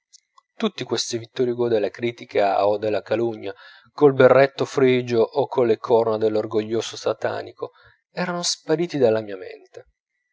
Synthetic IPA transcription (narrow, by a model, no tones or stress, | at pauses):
t̪ut̪ːikwest̪ivit̪ːɔɾjiɡod̪elːakɾiːt̪ikʰaod̪ːelːakaluɲːa | kolberːet̪ːofɾid͡ʒoʔːkʰːolːekʰɔrnad̪elːorɡoʎːoːsosat̪a̰ːnikʰo | ɛːɾanospaɾiːt̪id̪alːamiːamḛnt̪e